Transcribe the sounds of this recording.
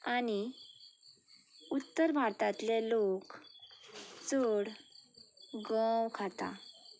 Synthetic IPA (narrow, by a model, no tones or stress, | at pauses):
ani | ut̪ːəɾbʱaɾt̪at̪lelok | t͡səɽ | ɡəwkʰat̪a̰